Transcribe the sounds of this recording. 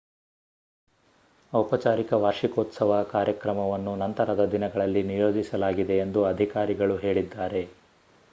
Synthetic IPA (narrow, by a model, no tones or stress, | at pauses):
ɐpɐt͡ʃaːɾikɐʋaːɾʂikoːt̪sɐʋɐkaːɾjɐkɾɐmɐʋɐnːunɐnt̪ɐɾɐd̪ɐd̪inɐɡɐɭɐlːinijo̞ːd͡ʒisɐlaːɡid̪e̞ːnd̪uɐd̪ʱikaːɾiɡɐɭuɦe̞ːɭid̪ːaːɾe̞